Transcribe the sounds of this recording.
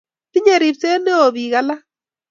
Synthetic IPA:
ti˦ɲe˨ɾi˨pse˦ne˦o˨ði˨ɣa˨la˦

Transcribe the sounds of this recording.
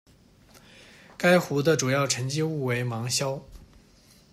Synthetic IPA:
ka˥ɪxu˧˥d̪ə˧˨ʈ͡ʂu˨˩jɑ˥˩ʊʈ͡ʂʰə˧˥ŋt͡ɕi˥u˥˩we˧˥ɪmɑ˧˥ŋɕjɑ˥ʊ

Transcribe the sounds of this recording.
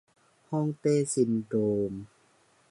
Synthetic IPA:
hɔ˥˨ŋt̪eː˧˥˨si˨˧˦ndoː˨˩m

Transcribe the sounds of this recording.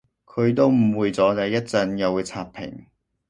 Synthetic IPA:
kʰɵ˨˧ɥt̪o˥wm̩˨˩wuː˨jt͡sɔː˨˥t̪ɐ˨˧jːɐ˥t̚t͡sɐ˧njɐ˨˧wu˨˧t͡sʰaː˧ppʰɪ̰˨˩ŋ

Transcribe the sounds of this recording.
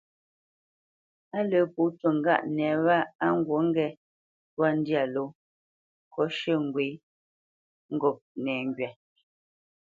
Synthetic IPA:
a˦lə˨˦pu˨˦twə˨ŋ̩˨˦ɡa̰˦ʔnɛ˨βa˦a˦ŋ̩˦ɡwo˨˦ŋ˦ɡɛ˦ | twa˦n̩˦dja˨lo˨˦ | kʰɔ˦ʃə˦˨ŋ˨ɡwe˨˦ | ŋ̩˦ɡɔ˨p̚nɛː˨ŋɡɥɛ˨

